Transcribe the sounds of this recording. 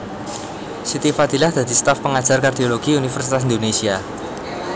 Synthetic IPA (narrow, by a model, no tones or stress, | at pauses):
sit̪ifad̪̥ilahd̪̥a̤d̪̥ist̪afpəŋad̥ʒ̥arkard̪ioloɡ̥iunifərsit̪asind̪onesia